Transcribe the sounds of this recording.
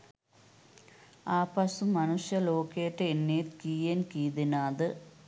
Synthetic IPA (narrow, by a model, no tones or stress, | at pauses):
aːpɐsumːɐnuʂjɐloːkeːʈːɨenːeːt̪kiːjenkiːd̪inaːd̪ɨ